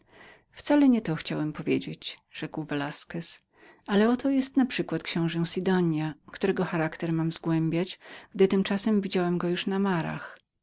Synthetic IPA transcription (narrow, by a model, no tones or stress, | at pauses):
ft̪salɛɲɛt̪ɔxt͡ɕawɛmpɔvʲjed͡ʑet͡ɕʐ̥ɛkwvɛlaskɛs | ʔalɛɔt̪ɔjɛst̪napʂɘkwat̪kɕɛ̃w̃ʐɛ̃w̃sʲid̪ɔɲjakt̪uɾɛɡɔxaɾakt̪ɛɾmamzɡwɛmbʲjat͡ɕɡ̥d̪ɘt̪ɘmt͡ʂasɛmvʲid͡ʑawɛmɡɔjuʂnamaɾa̰x